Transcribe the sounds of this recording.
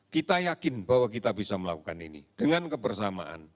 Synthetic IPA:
kit̪ajakɪnbawakit̪abisaməla̰kukanḭnḭd̥əŋankəbərsama̰ʔa̰n

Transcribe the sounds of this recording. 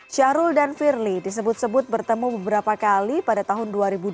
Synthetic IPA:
t͡ʃaɾʊldanfirlidis̬əbʊt̪̚səbʊt̪̚bərt̪əmubəbəɾapakalipadat̪aɦʊnduaɾibu

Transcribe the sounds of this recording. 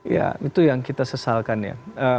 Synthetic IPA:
ja̰it̪ujaŋkit̪asəsalkanja̰ə

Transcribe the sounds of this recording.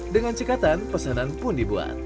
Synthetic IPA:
dəŋant͡ʃəkat̪anpəsananpʊndibua̰t̪̚

